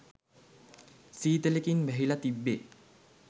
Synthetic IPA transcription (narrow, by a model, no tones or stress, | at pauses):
siːt̪elekinbɛɦilɐt̪ibːe